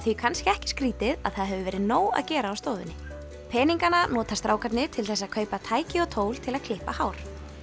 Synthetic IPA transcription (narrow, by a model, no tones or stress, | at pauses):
θvikʰanscɪɛhcɪ̥skɾiːt̪ɪða̰ðθaðɦɛvʏvɛːɾɪðnoːwa̰ðcɛːɾaːwst̪oːðɪ̰nːɪ | pʰɛːniŋkananɔːt̪ast̪ɾaːwkʰaɾt̪nɪt̪ʰɪlθɛsːaðkʰœːɥpat̪ʰaːjcɪɔt̪ʰoːwl̥t̪ʰɪlaðkʰlɪhpahaːwɾ̥